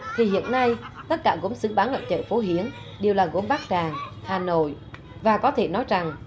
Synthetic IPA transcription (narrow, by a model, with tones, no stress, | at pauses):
t̪ʰi˨˩hḭ˧˨ənːa˧jt̪ə˦˥t̚kaː˧˩ɣo̰˧˥msɨ̰˧˥ɓaː˨˦nʔə̰˧˨˩t͡ɕə̰ː˧˨fo˨˦ɦi˨˦əŋ | ɗi˨˩əwlaː˨˩ɣo̰˧˥mɓaː˦˥k̚t͡ɕaː˨˩ŋhaː˨˩no̰˧˨j | vaː˨˩kɔ˨˦t̪ʰe˧˩nɔ˨˦jza˨˩ŋ